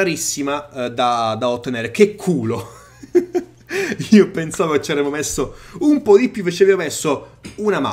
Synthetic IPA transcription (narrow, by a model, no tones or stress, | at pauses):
aɾisːimad̪ad̪aot̪ːeneːɾekekʰːuːlo | iːopensaːvoket͡ʃːavɾɛːmːomesːoumpɔd̪ipjuvet͡ʃːaveːvomesːounama̰